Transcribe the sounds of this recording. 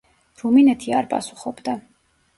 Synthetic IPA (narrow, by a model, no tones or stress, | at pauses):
ɾuminɛt̪ʰiaɾpʼa̰su̥χɔbd̪a